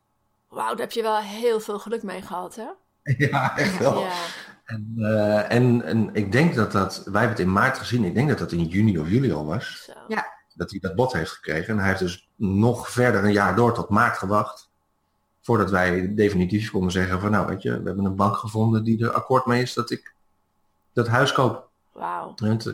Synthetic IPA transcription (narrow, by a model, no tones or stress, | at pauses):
wa̰wdəɛpjəʋɛlˠɦɪːlˠvɪːlˠχəlɵkmejχəhɑtɛ | jaɛχtʋɛlˠɛnɛnɛ̰nɪɡ̚dɛŋk̚dɔt̚dɔtʋɛjɦɛbənətɪnmaːɹtχəzinɪɡ̚dɛŋk̚dɑtdətɪnjyniɔfjyliɔ̰lˠʋɑs | d̥ɔt̚idɔd̚bɔtɦejftχə̥krejχənɦɛjefdøs | nɔχfɛɹdəɹənjaːɹdʊːɹtɔtmaːɹtχəʋɑχt | fʊːɹdɑtʋɛjdejfinitifkɔndənzɛχənvɑnːawʋḛjtə̰ʋə̰ɦɛbənənbɑŋkχəvɔndəndidəɹa̰koːɹtmejɪsdɔtɪk | d̥ɔtɦœɥskowp | ɛt